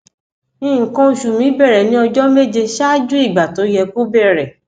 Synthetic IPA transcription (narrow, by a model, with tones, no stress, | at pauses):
ĩ˦˨ŋ̩˨kɔ̃˦˧ʃu˨mĩ˨˦bɛ˦˨ɾɛ˨nĩ˨˦ɔ˧d͡ʒɔ˦me˦d͡ʒe˧ʃa˦d͡ʒu˦i˦˨ɡ͡ba˨to˨˦jɛ˧ku˦bɛ˦˨ɾɛ˨